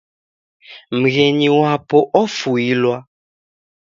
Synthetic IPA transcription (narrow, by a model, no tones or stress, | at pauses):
m̩ɣɛɲiwapɔʔɔfuilwa